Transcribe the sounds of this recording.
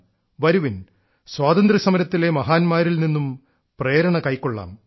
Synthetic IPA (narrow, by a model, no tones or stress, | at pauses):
ʋɐɾuʋin | swaːd̪ɐnd̪ɾɐsɐmɐɾɐt̪ːile̞mɐɦaːnmaːɾilninːum | pre̞ːɾɐɳɐkɐjkːoɭːa̰ːm